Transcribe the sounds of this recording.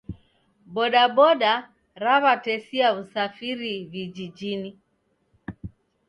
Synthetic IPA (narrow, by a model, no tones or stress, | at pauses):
ɓɔɗaɓɔɗa | ɾaβatɛsiausafiɾivid͡ʒid͡ʒini